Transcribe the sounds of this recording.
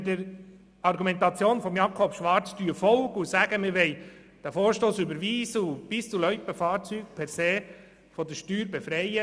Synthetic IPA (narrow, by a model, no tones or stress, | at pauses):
dəɾ | ɑɾɡumɛnt̪ɑt͡sjoːnfɔmjɑkʰɔpʃʋɑɾt͡sd̥yəfɔlɡusæɡəmɪɾʋɛɪ | d̥æfoːɾʃtoːsybəɾʋiːsəub̥ɪst͡sulœʏpəfɑːɾt͡syːk̚pʰɛɾseː | fɔd̥əʃtyːɾbefɾɛɪə